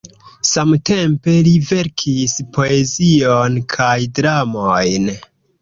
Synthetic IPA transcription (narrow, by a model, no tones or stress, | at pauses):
samte̞mpe̞live̞ɾkʰispʰo̞e̞zionkʰajdɾamojn